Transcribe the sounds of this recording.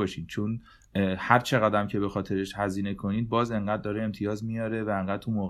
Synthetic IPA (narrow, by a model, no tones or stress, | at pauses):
ɒːʃid̪̥t͡ʃʰon | hæɾt͡ʃʰe̞ɣæd̪æmcʰe̞be̞xɒːt̪ʰe̞ɾeʃhæziːne̞kʰo̞niːd̪̚bɒːze̞ŋɢæːd̪̚ːɒːɾeemt̪ʰijɒːzmijɒːɾe̞væeŋɢæːd̪̚t̪ʰumoːɣ